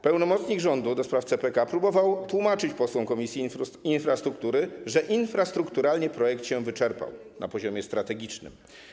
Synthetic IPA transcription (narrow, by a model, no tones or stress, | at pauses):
pɛwnɔmɔt̪sɲiɡʐɔnd̪ud̪ɔspɾaft̪sɛpɛkapɾubɔvawt̪wumat͡ʂɘt͡ɕpɔswɔ̃w̃kɔmʲisʲjiinfɾast̪ɾuk̚t̪uɾɘʐɛʔinfɾast̪ɾukt̪uɾalɲɛpɾɔjɛk̚t̪ɕɛ̃vɘt͡ʂɛɾpa̰w | nʔa̰pɔʑɔmʲjɛst̪ɾat̪ɛɡʲit͡ʂnɘ̰m